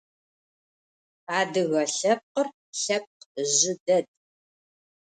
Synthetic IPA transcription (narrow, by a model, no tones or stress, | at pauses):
aːdɨɣɐɬɐp̚qər | ɬɐp̚qʑɪdɐd̚ʼ